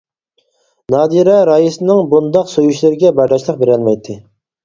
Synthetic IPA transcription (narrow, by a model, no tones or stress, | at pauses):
nɑːd̪iɾɛɾɑjisɨnɨŋbund̪ɑqsojyʃlɪɾɪɡʲɛbɑɾlɑʃlˠəq̚beɾɑlˠmɛjt̪ʰːɨ